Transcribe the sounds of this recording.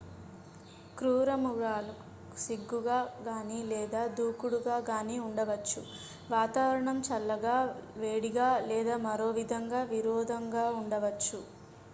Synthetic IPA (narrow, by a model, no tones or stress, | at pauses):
kɾuːɾɐmuɡaːlɐ | u̥siɡːuɡaːɡaːniːlɛːd̪aːd̪ʱuːkuɽuɡaːɡaːniːuɳɖɐʋɐt͡ʃːu | ʋaːt̪aːʋɐɾɐɳɐmt͡ʃɐlːɐɡaːʋeːɽiɡaːlɛːd̪aːmɐɾo̞ːʋid̪ʱɐŋɡaːʋiɾɔːd̪ʱɐŋɡaːuɳɖɐʋɐt͡ʃːu